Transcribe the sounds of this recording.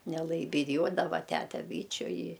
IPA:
nʲɛˈlˠɐɪ bʲɪˈjuɔdɐʋɐ ˈtʲætʲɛ ˈbʲiːt͡ʃʲʊ ɪ

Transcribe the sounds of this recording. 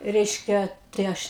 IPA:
ˈrʲɛɪʃʲkʲɛ tɐɪ ˈɐʃ

